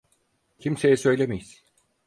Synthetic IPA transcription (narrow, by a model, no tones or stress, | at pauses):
cʰimse̞jɛsø̞jlʲemejiz